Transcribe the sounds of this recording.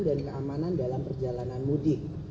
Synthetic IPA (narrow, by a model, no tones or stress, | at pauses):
ndankəʔamanandalampərd͡ʒalananmudɪk̚